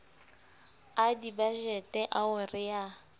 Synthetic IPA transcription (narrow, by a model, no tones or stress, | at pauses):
adibaʒɛtʼɛʔaʊrɪja